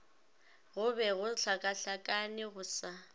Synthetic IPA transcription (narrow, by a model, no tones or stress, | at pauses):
ɣʊbɛɣʊɬakʼaɬakʼanɪɣʊsa